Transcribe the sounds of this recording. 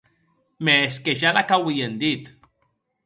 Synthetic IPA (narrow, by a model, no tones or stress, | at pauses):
meːskeʃalakawijend̪it̪